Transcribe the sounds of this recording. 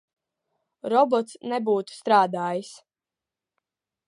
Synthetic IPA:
ɾɔbɔt̪snɛbuːt̪u̥st̪ɾaːd̪aːjis

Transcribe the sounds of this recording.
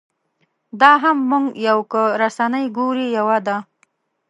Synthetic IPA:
d̪ɑɦamːuŋɡjawkəɾasanəjɡuɾijawad̪a

